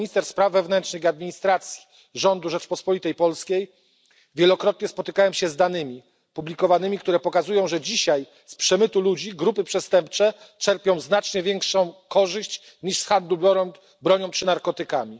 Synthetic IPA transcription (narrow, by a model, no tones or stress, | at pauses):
ist̪ɛɾspɾavːɛvnɛntʂnɘxiad̪̚mʲiɲist̪ɾat̪sʲji̥ | ʐɔnd̪uʐɛt͡ʂpɔspɔlʲit̪ɛjpɔlskʲej | vʲjɛlɔkɾɔt̪ɲɛspɔt̪ɘkawɛmɕɛzd̪anɘmʲi | publʲikɔvanɘmʲik̚t̪uɾɛpɔkazujɔ̃w̃ʐɛd͡ʑiɕaj | spʂɛmɘt̪ulud͡ʑiɡɾupɘpʂɛst̪ɛmp̚t͡ʂɛ | t͡ʂɛɾpʲjɔ̃w̃znat͡ʂɲɛvʲjɛŋkʂɔ̃w̃kɔʐɘɕt͡ɕ | ɲiʂsxand̪lubɔɾɔ | bɾɔɲɔ̃w̃t͡ʂɘnaɾkɔt̪ɘkamʲi